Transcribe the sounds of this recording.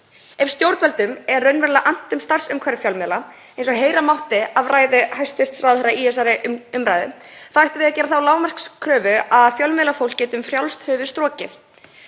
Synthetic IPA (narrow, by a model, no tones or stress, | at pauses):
ɛfst̪jowɾt̪vɛlt̪ʏmɛɾːœɥnvɛɾlaʔan̥t̪ʏmst̪ar̥sʏmkʰvɛɾɪfjawlmɛla | ejnsɔɣɦeːjɾamawht̪ɪavraːjðɪhajst̪ɪst̪sɾawðhɛɾaiɛsaɾɪʏmɾajðɪ̰θaajht̪ʏvɪðacɛːɾaθawlaːwmar̥kskʰɾœːvʏaðfjœlmɛːlafowlcːɛːt̪ʏmfɾjawlst̪hʏːvɪst̪ɾɔːcɪθ